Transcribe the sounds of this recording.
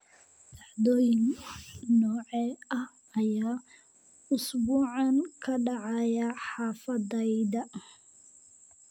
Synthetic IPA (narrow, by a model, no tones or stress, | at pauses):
dɑʕd̪ɔːjɪŋnɔːʕɛɐh | ɐjaː | ʊsbuːʕɑnkʰɐɖɑʕɑjɐħɑːfɐðɛjðɐ